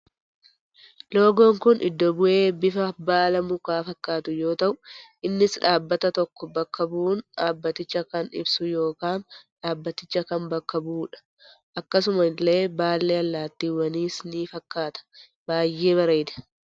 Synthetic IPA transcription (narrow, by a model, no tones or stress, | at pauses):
lo̞ːɡoːŋkʊnʔɪ̰d̪ːɔbʊʔe̞ːbɪfɐbaːlɐmʊkaːfɐkːaːt̪ʊjo̞ːt̪ɐʔʊʔɪnːɪsᶑaːbːɐt̪ɐt̪ɔkːɔbɐkːɐbuːnᶑaːbːɐt̪ɪt͡ʃːɐkɐnɪ̰bsʊjo̞ːkaːnᶑaːbːɐt̪ɪt͡ʃːɐkɐnbɐkːɐbuːᶑɐ̥ | ʔɐkːɐs̬ʊmɐlːe̞ːbaːlːeːɐlːaːt̪ːiːwɐniːsniːfɐkːaːt̪ɐ̥ | baːjːe̞ːβɐɾejd̪ɐ̥